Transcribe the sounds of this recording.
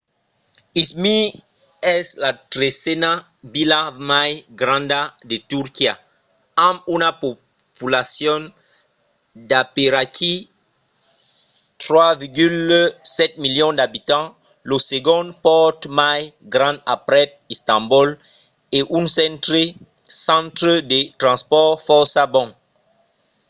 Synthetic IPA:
ismi | ɛslat̪ɾesɛna | vilamajɡɾãnd̪ad̪et̪uɾkia | ãmunapo | pulasjɔn | d̪apeɾakʰi | t̪ʁwaviʁɡylsɛt̪̚miljɔ̃d̪abit̪ɑ̃ | loseɡɔ̃nd̪pɔʁt̪majɡʁɑ̃dapʁɛt̪̚ist̪ɑ̃mbul | eʔynsɛ̃nt̪ʁe | sɑ̃t̪ʁəd̪et̪ʁɑ̃spɔʁfɔʁsabɔ̃

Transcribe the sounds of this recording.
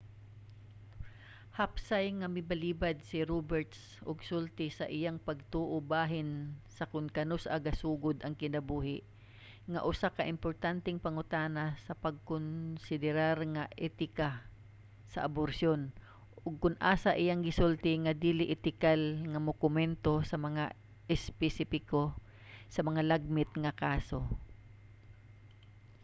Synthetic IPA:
hapsajŋɐmɪbaliːbad̪̚sɪɾobɛɹt̪s | ʔʊɡsʊlt̪ɪsɐʔɪjaŋpɐɡ̚t̪uːʔobaːɦɪnsɐkʊnkɐnʊsʔa̰ɡasuːɡʊd̪ʔɐŋkɪnɐbuːhɪʔ | ŋa̰ʔʊsakaʔɪmpoɹt̪ant̪ɪŋpɐŋʊt̪aːnasɐpɐɡ̚kʊnsɪd̪ɛɾaɾŋaʔɛt̪ɪka | sɐʔaboɾsjon | ʔʊɡ̚kʊnʔaːsaʔɪjaŋɡɪsʊlt̪ɪŋɐd̪iːlɪʔɪt̪ɪkalŋɐmokʊmɛnt̪o̞sɐmɐŋa | ʔɪspɛsɪpɪko | sɐmɐŋalaɡ̚mɪt̪ŋɐkaːso

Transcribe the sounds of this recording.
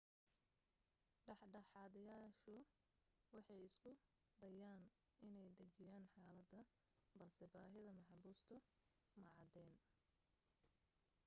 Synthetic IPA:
ɖɑħɖɑħɑːðɐjaːʃʊ | wɑħɑjɪskʰʊ | d̪ɐjaːn | ʔɪnɛjd̪ɐt͡ʃɪjaːnħaːlɐd̪ɐ | bɐlsɛbaːɦɪðɐmɑħɑbuːst̪ʰʊ | mɐʕɑd̪ɛːn

